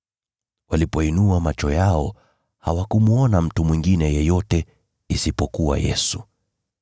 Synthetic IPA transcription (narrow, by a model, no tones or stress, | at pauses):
walipɔinuamat͡ʃɔjaɔ | ha̰wakumuɔnam̩tumwiŋɡinɛjɛjɔtɛ | isipɔkuwa̰jɛ̰su̥